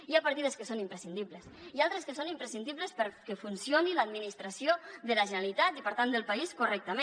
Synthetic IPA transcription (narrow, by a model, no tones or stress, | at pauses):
iapəɾt̪iðəskəsonimpɾəsind̪iβləsialˠt̪ɾeskəsonimpɾəsind̪iβləspəɾkefunsijoniləd̪minist̪ɾəsioðələʒənəlit̪at̪ipəɾt̪and̪əlˠpɐiskurɛk̚t̪əme